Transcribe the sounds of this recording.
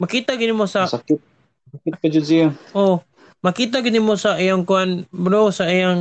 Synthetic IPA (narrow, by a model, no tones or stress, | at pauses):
mɐkiːt̪aɡɪd̪nɪmosasakɪt̪̚ | sakɪkad͡ʒod̪̚sɪjaʔo | mɐkiːt̪aɡɪd̪nɪmosaʔijaŋkʊanbɾowsaijaŋ